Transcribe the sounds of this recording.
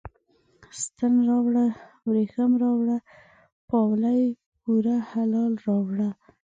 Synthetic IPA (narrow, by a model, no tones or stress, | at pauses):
st̪ənɾɑwɽa | wɾexamɾɑwɽa | pɑwlaj | ɡuɾahalɑlɾɑwɽa